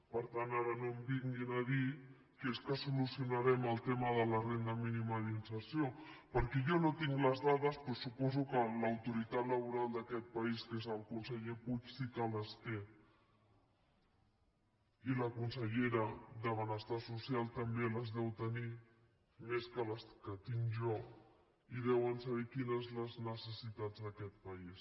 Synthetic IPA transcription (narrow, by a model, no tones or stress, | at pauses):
pəɾt̪anaɾənombiŋɡinaði | keskəsulusiunaɾɛməlˠt̪emaðəlarend̪əminimaðinsəɾsjopəɾkɛjonot̪iŋɡləzðaðəspɾosupɔzukəlawt̪uɾit̪at̪ləβ̞uɾald̪akɛt̪̚paiskezəlˠkunsəʎeput͡ʃsikələst̪e | iləkunsəʎeɾəd̪əβənəst̪asusjalˠt̪əmbeləzðɛwt̪əni | meskələskət̪iŋʒɔ | iðɛwənsaβekinəzləznəsəsit̪ad͡zðəkɛt̪̚pais